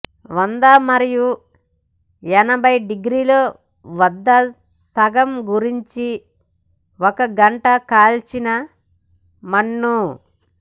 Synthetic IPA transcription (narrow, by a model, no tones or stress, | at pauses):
ʋɐnd̪amɐɾiju | ɛnɐbʱɐjɖiɡɾiːlo̞ː | ʋɐd̪ːɐ | sɐɡɐmɡuɾiɲt͡ʃi | ɔkɐɡɐɳʈɐkaːlt͡ʃinɐ | mɐɳːu